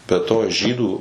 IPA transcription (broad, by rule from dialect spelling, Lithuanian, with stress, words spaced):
bʲɛ ˈtoː ˈʒʲiːduː